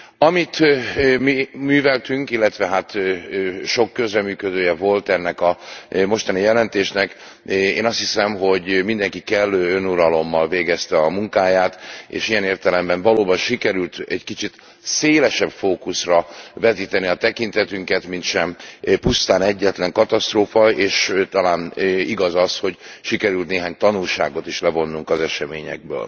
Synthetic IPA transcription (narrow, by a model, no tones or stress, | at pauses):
ɒmit̪mimyːvɛlt̪yŋkilːɛt̪ʋɛɦaːt̪ | ʃo̞kːøzrɛmyːkød̪øːjɛvo̞lt̪ɛnːɛkɒmo̞ʃt̪ɒnijɛlɛnt̪eːʃnɛk | ḛːnɒst̪hisɛmɦo̞ɟmind̪ɛŋkikɛlːøːønuɾɒlo̞mːɒlveːɡɛst̪ɛɒmuŋkaːjaːt̪ḛːʃijɛneːrt̪ɛlɛmbɛɱvɒloːbɒnʃikɛɾylt̪ɛɟkit͡ʃit̪ | seːlɛʃɛbfoːkusrɒvɛt̪iːt̪ɛniɒt̪ɛkint̪ɛt̪yŋkɛt̪mint̪ʃɛmpust̪aːnɛɟːɛt̪lɛŋkɒt̪ɒst̪roːfɒeːʃt̪ɒlaːniɡɒzɒsho̞ɟʃikɛɾylt̪neːɦaːɲt̪ɒnulʃaːɡo̞t̪iʃlɛvo̞nːuŋkɒzɛʃɛmeːɲɛ̰ɡ̚bø̰ːl